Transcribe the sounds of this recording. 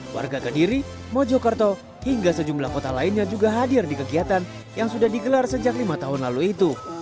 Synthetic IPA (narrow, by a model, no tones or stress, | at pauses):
wʔa̰rɡakədiɾimod͡ʒokərt̪o | hiŋɡasəd͡ʒumlahkot̪alainɲad͡ʒuɡaɦadɪrdikəɡiat̪an | jaŋsudahdiɡəlarsəd͡ʒaklimat̪aɦʊnlaluit̪u